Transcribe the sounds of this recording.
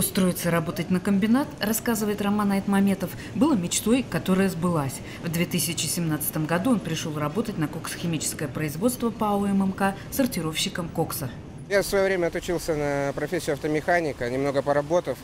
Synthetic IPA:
ʊst̪ɾo̞jɪt̪səɾɐbo̞t̪ətʲnəkəmʲbʲɪnat̪rɐskazɨvəjɪt̪rɐmanɐɛt̪mɐmʲe̞t̪əf | bɨlˠəmʲɪt͡ɕt̪o̞jkɐt̪o̞ɾəjəzbɨlˠasʲ | vd̪vʲet̪ɨsʲɪt͡ɕɪsʲɪmnat̪sɨ̥t̪əmɡɐd̪uo̞npɾʲɪʂo̞lˠrɐbo̞t̪ətʲnəkoksə̥xʲɪmʲit͡ɕɪ̥skəjəpɾəɪzvo̞t̪st̪vəpəoɛmɛmka | sərtʲɪɾo̞fɕːɪkəmko̞ksə | jafsvɐjovɾʲemʲəɐt̪ʊt͡ɕilˠsʲənəpɾɐfʲesʲːɪʊɐft̪əmʲɪxanʲɪkənʲɪmno̞ɡəpəɾɐbo̞t̪əf

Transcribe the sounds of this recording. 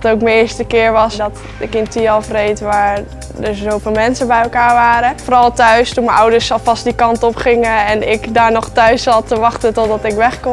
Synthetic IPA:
towkməɪːɹstəkɪːɹʋɑsdɔt | ɪkɪntiɑlˠfrejtʋaːɹ | dəɹzowvɪːlˠmɛnsəbɛjɛlˠkaːɹʋaːɾəfoːɾɑlˠtœɥstunməɔwdəɹsɑlˠfɑstdikɑntɔpχɪŋəɛnɪkdaːɹnɔχtœɥsɑtəʋɑχtəntɔdɑtɪkʋɛχkɔm

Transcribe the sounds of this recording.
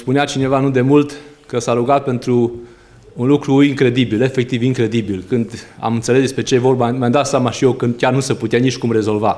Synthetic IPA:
spuneat͡ʃine̞vanud̪e̞mult̪ | kəsaɾuɡat̪̚pe̞nt̪ɾuː | nlukɾuiŋkɾe̞d̪ibile̞fe̞k̚t̪iviŋkɾe̞d̪ibilkɨnd̪a̰mɨnt̪sele̞sd̪espɾe̞t͡ʃe̞jevo̞rbmjamd̪at̪sʲamaʃijewkəkʲarnusəput̪eanit͡ʃʲkumre̞zo̞lva

